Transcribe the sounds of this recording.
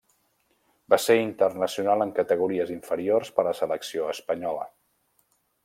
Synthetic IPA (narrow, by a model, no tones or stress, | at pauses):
baseint̪ərnəsiunalˠəŋkət̪əɣ̞uɾiəziɱfəɾiorspələsələksioəspəɲɔlə̰